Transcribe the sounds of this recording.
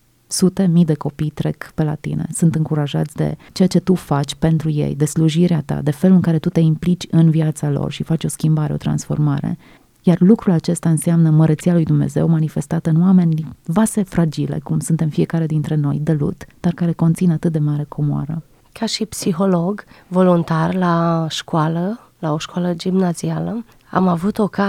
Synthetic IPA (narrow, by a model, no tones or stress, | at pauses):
sut̪e̞mijd̪e̞ko̞pijt̪ɾe̞kpe̞la̰t̪ḭne̞̰sunt̪ɨŋkuɾaʒa̰t̪sʲd̪e̞̰t͡ʃeat͡ʃe̞t̪ufat͡ʃʲpe̞nt̪ɾuje̞̰jd̪e̞sluʒiɾeat̪a̰d̪e̞fe̞luɨŋkaɾe̞t̪ut̪e̞implit͡ʃʲɨnviat̪salo̞̰rʃifat͡ʃʲo̞skʲimbaɾe̞o̞̰t̪ɾa̰nsfo̞̰rmaɾe̞̰ | jarlukɾulat͡ʃe̞st̪aɨnseamnəməɾət̪sialujd̪umne̞̰ze̞̰wmanife̞st̪at̪əɨnowame̞nʲvase̞fɾad͡ʒilḛkumsunt̪e̞mfie̞kaɾe̞d̪int̪ɾe̞no̞̰jd̪elṵt̪d̪̥arkaɾe̞ko̞nt̪sinat̪ɨt̪̚d̪e̞maɾe̞kʰomoa̰ɾə | kʰaʃipsiɦo̞loɡvo̞lunt̪arlaʃkualə | laoʃkwaləd͡ʒimnazialə | a̰mavut̪o̞ka